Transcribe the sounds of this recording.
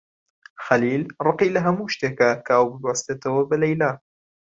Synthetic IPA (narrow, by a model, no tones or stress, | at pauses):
xɐliːlrˤɨqiːlɐɦɐmuːʃt̪eːkakʰaʔɐwbɨbʕast̪eːt̪ɐwɐbɐlɐjlaː